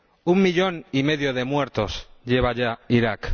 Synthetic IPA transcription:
umːiʎo̞nime̞ðjoð̞e̞mwe̞ɾt̪o̞sʎeβ̞aʎaiɾak

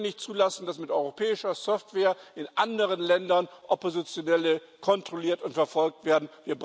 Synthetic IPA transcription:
nɪçtt͡suːlasn̩d̥asmɪtʔɔʏʁopʰɛːɪʃɐsɔftv̥eːɐʔɪnʔandəʁ̞ənlɛndɐnʔopozɪt͡sjonɛlə | kʰɔntʁ̥oliːɐtʊntfɛɐfɔlk̚tv̥eːɐdn̩viːɐbʁ

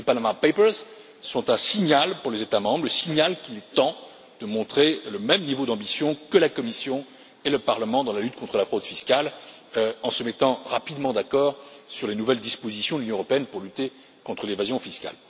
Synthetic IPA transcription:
lepanamapepɛʁz | sɔ̃t̪ɛ̃siɲalpuʁlezet̪amɑ̃bʁləsiɲalkilɛt̪ɑ̃ | d̪̥əmɔ̃t̪χeləmɛmnivod̪ɑ̃bisjɔ̃kəlakɔmisjɔ̃ | eləpaʁləmɑ̃d̪ɑ̃lalyt̪̚kɔ̃t̪χəlafχod̪fiskʲal | øɑ̃səmɛt̪ɑ̃ʁapid̪mɑ̃d̪akɔːʁsyʁlenuvɛld̪ispozisjɔ̃d̪lynjɔ̃əʁɔpeɛnpuʁlyt̪e | kɔ̃t̪χəlevazjɔ̃fiskʲa̰l

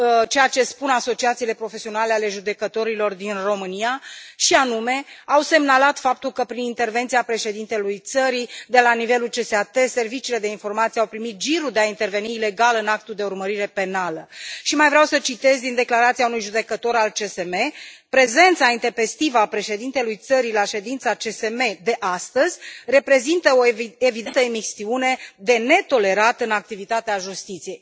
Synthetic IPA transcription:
t͡ʃe̞jat͡ʃe̞spunaso̞t͡ʃiat̪siːle̞pɾo̞fe̞sio̞naleale̞ʒud̪e̞kət̪o̞ɾilo̞rd̪inro̞mɨniaʃianume̞awse̞mnalat̪fap̚t̪ulkəpɾinint̪e̞rvent̪sijapɾe̞ʃe̞d̪int̪e̞lujt̪səɾid̪e̞lanive̞lult͡ʃe̞seat̪e̞se̞rvit͡ʃiːle̞d̪e̞info̞rmat̪sijawpɾimit̪̚ʒiɾud̪eaint̪e̞rve̞niːle̞ɡalɨnak̚t̪uld̪e̞urməɾiɾe̞pe̞naləʃimajvɾeawsət͡ʃit̪e̞zʲd̪ind̪eklaɾat̪siaunujʒud̪e̞kət̪o̞ɾalt͡ʃe̞se̞me̞pɾe̞ze̞nt̪saint̪e̞pe̞st̪ivəapɾe̞ʃe̞d̪int̪e̞lujt̪səɾilaʃe̞d̪int̪sat͡ʃe̞se̞me̞d̪e̞ʔast̪əzʲre̞pɾe̞zint̪əo̞evid̪ent̪əemisiune̞d̪e̞ne̞t̪o̞le̞ɾat̪ɨnak̚t̪ivit̪at̪eaʒust̪it̪sije̞j

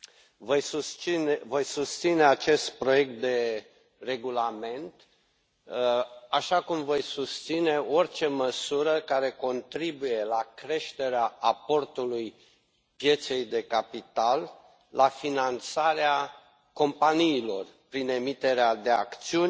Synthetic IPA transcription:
vojsust͡ʃinvo̞jsust̪sine̞at͡ʃe̞st̪̚pɾo̞je̞k̚t̪̚d̪e̞ | re̞ɡulame̞nt̪ | aʃakumvo̞jsust̪sine̞o̞rʲt͡ʃe̞məsuɾəkaɾe̞ko̞nt̪ɾibuje̞lakɾe̞ʃt̪e̞ɾeaapo̞rt̪uluj | pje̞t̪se̞jd̪e̞kapit̪alː | afinant̪saɾea | ko̞mpaniːlo̞rpɾine̞mit̪e̞ɾead̪e̞akt̪siunʲ

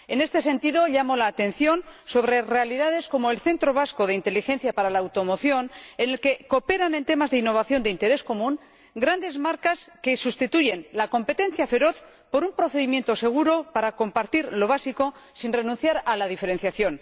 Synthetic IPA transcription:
e̞ne̞st̪e̞sẽ̞nt̪iðo̞ʎamo̞laːt̪ẽ̞n̟θjo̞nso̞β̞ɾe̞re̞aliðað̞e̞sko̞mo̞elθe̞nt̪ɾo̞β̞asko̞ð̞e̞int̪e̞lixe̞nθjapaɾalaːwt̪o̞mo̞θjo̞ne̞ne̞lke̞ko̞pe̞ɾanent̪e̞mazðeinːo̞β̞aθjo̞nd̪eint̪e̞ɾe̞sko̞mũŋ | ɡɾand̪e̞zmaɾkaske̞sust̪it̪uʝe̞nlako̞mpe̞t̪e̞nθjafe̞ɾo̞θ | po̞ɾumpɾo̞θe̞ðimje̞nt̪o̞se̞ɣ̞uɾo̞paɾako̞mpaɾt̪iɾlo̞β̞asiko̞ | sinre̞nũnθjaɾalaðife̞ɾe̞nθjaθjo̞n

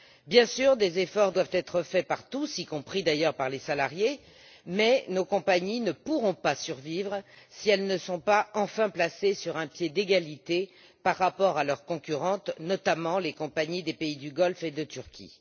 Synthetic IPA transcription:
bjɛ̃syʁd̪ezefɔʁd̪wavt̪ɛt̪χəfɛpaʁt̪usikɔ̃pχid̪ajœʁpaʁlesalaʁje | mɛnokɔ̃paɲinəpuʁɔ̃pasyʁvivʁsiɛlnəsɔ̃paɑ̃fɛ̃plasesyʁɛ̃pjed̪eɡalit̪e | paʁːapɔʁalœʁkɔ̃kʲyʁɑ̃t̪nɔt̪amɑ̃lekɔ̃paɲid̪epeid̪yɡɔlfed̪ət̪yʁkʲʰḭ

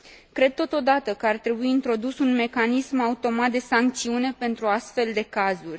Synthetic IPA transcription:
kɾe̞d̪̚t̪o̞t̪o̞d̪at̪əkəart̪ɾe̞buiːnt̪ɾo̞d̪usunme̞kanismaut̪o̞mat̪̚d̪e̞saŋk̚t̪siune̞pe̞nt̪ɾuast̪fe̞ld̪e̞kazurʲ

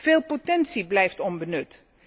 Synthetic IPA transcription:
v̥ɪːlˠpotɛnsiblɛjftɔnbənɵt

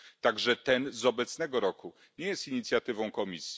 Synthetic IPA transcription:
t̪aɡʐɛt̪ɛnzɔbɛt̪snɛɡɔɾɔku | ɲejɛst̪iɲit̪sʲjat̪ɘvɔ̃w̃kɔmʲisʲi

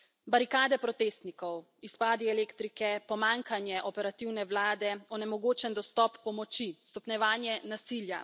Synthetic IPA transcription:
baɾikaːd̪ɛpɾɔt̪eːst̪nikɔw | ispaːd̪iɛleːkt̪ɾikɛpɔmaːŋkanjɛʔɔpɛɾat̪iwnɛwlaːd̪ɛɔnɛmɔɡoːt͡ʃɛnd̪ɔst̪ɔpːɔmɔt͡ʃist̪ɔpnɛʋaːnjɛnasilja̰

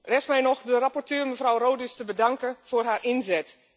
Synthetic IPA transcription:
rɛsmɛjnɔxdərapɔrtøːməvrawroːdystəbədɑŋkəfʊːrɦaːrɪnzɛt

